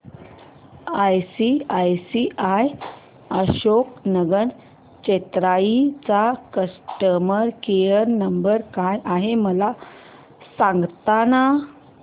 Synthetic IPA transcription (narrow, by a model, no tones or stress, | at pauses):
ajsiajsiʔaj | əɕoknəɡəɳ | t͡ɕet̪ɾait͡sakəsʈəməɾkejəɾnəmbəɾkajʔaɦeməla | sãŋɡt̪ana